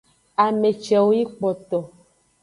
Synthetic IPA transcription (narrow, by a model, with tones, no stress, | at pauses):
a˨me˨t͡ʃɛ˨wo˦ji˦k͡pɔ˨t̪ɔ˨